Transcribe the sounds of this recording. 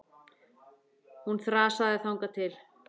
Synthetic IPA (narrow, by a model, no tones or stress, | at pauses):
hunθɾaːsaðɪθawŋkat̪ʰɪl